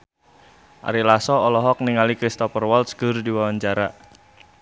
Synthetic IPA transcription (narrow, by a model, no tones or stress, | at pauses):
ʔa̰ɾilasɔɔlɔɦɔk̚niŋalikɾist̪ɔfərwɔlt̪sɡ̥ərdiwawaɲd͡ʒaɾa